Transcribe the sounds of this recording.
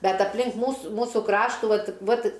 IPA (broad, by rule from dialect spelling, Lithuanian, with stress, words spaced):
ˈbʲɛt ɐpʲlʲɪŋk ˈmuːsʊ ˈmuːsʊ ˈkrɑːʃtuː ˈʋɐt ˈʋɐt